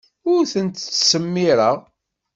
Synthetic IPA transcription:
ʊɾθənt̪t͡sːsəmːɪɾəʁ

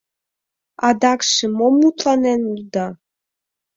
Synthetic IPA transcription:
ɑd̪ɑkʃə̆momut̪lɑnenuld̪ɑ

